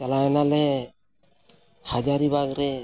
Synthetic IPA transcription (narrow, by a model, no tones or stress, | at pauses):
alaɛnale | had͡ʒaɾiβaɡɾɛ